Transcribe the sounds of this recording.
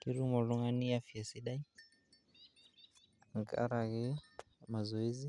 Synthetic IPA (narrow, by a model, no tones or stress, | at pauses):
kiɾumɔluŋaniafiasiɗai | ŋka̰ɾaɣi | mazɔizi